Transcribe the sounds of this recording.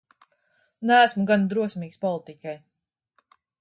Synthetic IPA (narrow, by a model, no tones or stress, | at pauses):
næːsmuɡand̪ɾuɔsmiːkspɔlˠit̪ikʲaj